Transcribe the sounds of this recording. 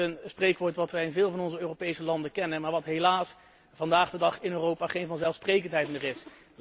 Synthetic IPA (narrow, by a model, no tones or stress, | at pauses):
ənsprejkʋoːɹtʋɑtʋɛjɪnvɪːlˠvɑnɔnzəøːrowpejsəlɑndəkɛnənmaːɹʋɑtɦejlaːs | v̥ɑndaːχdədɑχɪnøːrowpaːχejnvɑnzɛlˠfsprejkəntɦɛjtnərɪs